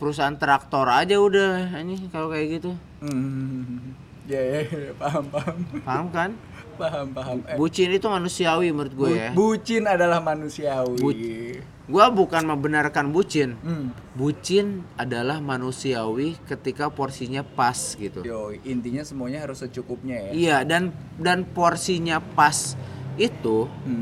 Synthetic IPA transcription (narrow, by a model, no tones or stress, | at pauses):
pəɾus̬aːnt̪əɾak̚t̪oɾad͡ʒaudahaɲikalokajaɡit̪u | jajapaɦampaɦampaɦamkan | paɦampaɦambut͡ʃɪnit̪umanusiawiməɾʊt̪̚ɡuajabut͡ʃɪnadalahmanusiawi | ɡuabukanməbənarkanbut͡ʃɪn | but͡ʃɪnadalahmanusiawikət̪ikaporsiɲapasɡit̪ṵt̪oint̪iɲasəmuaɲaɦaɾʊsət͡ʃukʊp̚ɲajaijadan | danporsiɲapasit̪u